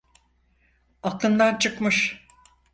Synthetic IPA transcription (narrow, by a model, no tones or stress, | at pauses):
akɯnd̪ant͡ʃʰɯkmɯʃ